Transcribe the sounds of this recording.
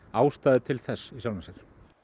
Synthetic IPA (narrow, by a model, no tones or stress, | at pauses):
aːwst̪aːðɪt̪ʰɪlθɛsːisawlansɛɾ̥